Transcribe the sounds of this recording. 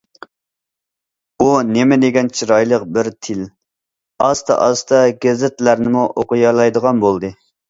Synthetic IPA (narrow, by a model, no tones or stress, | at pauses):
unemɪd̪eɡʲɛnt͡ʃʰiɾɑjlˠəqbɪɾt̪ʰɪl | ɑst̪ɑ̰ʔɑst̪ɑɡʲɛzɪt̪læɾnɪmuʔoqʊjɑlˠɑjd̪əʁɑnbolˠd̪ɨ